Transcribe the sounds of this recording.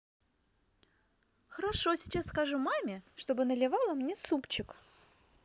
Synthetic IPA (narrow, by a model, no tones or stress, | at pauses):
xəɾaʂo̞sʲɪ̥t͡ɕasːkɐʐumamʲɪʂt̪o̞bɨnəlʲɪvalˠəmnʲesupt͡ɕɪk